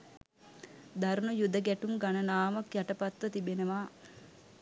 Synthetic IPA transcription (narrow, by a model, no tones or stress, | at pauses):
d̪aɾnujud̪əɡæʈumɡanənaːmɐkjaʈəpat̪ʋət̪ibenəʋaː